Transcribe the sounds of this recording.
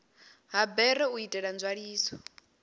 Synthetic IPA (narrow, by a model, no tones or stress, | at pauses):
ɦabɛɾɛuitʼɛɺand͡zwaɺiːsɔ̥